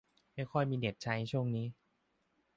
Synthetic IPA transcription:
ma˥˩jxʰɔ˧˩jmiː˧ne˨˩t̪̚t͡ɕʰa˦˥jt͡ɕʰu˥˩əŋniː˦˥

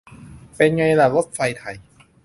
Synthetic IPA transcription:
pe˧nŋa˧jla˧˩lo˦˥t̪̚fa˧jt̪ʰa˧j

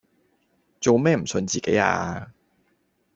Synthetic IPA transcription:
t͡so˧wmɛː˥˩m̩˨˩sɵ˧nt͡ɕiː˨˩ke˨˥˦ja̰ː˧

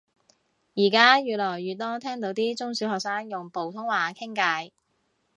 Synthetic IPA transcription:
jiː˨˩kaː˥jyː˨t̚lɔː˨˩jːyː˨˧t̪ɔː˥t̪ʰɛː˥ŋt̪o˨˧˥wt̪iː˥t͡sʊ˥ŋsi˨˥wɦɔː˨k̚saː˥ŋjʊ˨˩ŋpo˨wt̪ʰʊ˥ŋwaː˨˧kʰɪ˥ŋkaː˨˧j

